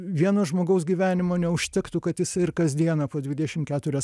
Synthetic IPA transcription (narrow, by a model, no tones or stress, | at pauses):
ʋʲiɛnoːʒmoːɡɐʊs̬ɡʲiːʋʲæːnʲɪmoːnʲɛʊʃʲt̪ʲɪkt̪ʊkɐt̪jɪsɪrkɐzd̪ʲiɛnɐpoːd̪ʲʋʲɪd̪ʲɛʃʲɪmkʲæːt̪ʊɾʲɛs